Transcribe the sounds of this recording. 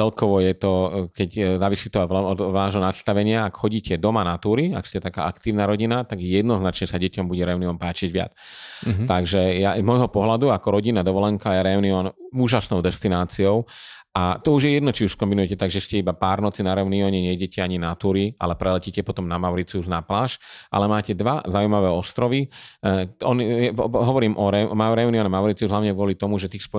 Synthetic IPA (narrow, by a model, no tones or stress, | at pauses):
t͡sɛlkɔʋɔjɛt̪ɔkɛczaːʋisiːt̪ɔɔd̪aːʒɦɔnat̪st̪aʋɛɲɪaːkxɔɟiːcɛd̪ɔmanat̪uːɾiakscɛt̪aka̰ːʔakt̪iːʊnaɾɔɟinat̪aɡjɛd̪nɔznat͡ʃɲɛsaɟɛcɔmbuɟɛɾɛuniɔmpaːt͡ʃiɟʋɪa̰t͡st̪aɡʒɛjazmɔjɦɔpɔɦlad̪uakɔɾɔɟinad̪ɔʋɔlɛŋkajɛɾɛuniɔnuːʒasnɔʊd̪ɛst̪inaːt͡siɔʊ | at̪ɔuʒjɛjɛd̪nɔt͡ʃiuskɔmbinujɛcɛt̪aɡʒɛscɛibapaːɾnɔt͡sinaɾɛʊniɔɲɛɲɛjɛɟɛcɛaɲinat̪uɾiʔa̰lɛpɾɛlɛcicɛpɔt̪ɔmnamaʊɾit͡siuznaplaːʃʔa̰lɛmaːcɛd̪ʋazaujmaʋɛːɔst̪ɾɔʋi | ɔnijɛɦɔʋɔɾiːmʔɔɾɛmaɾɛuniɔnamaʊɾit͡siuzɦlaʊɲɛɡʋʊɔlit̪ɔmuʒɛt̪iːxsp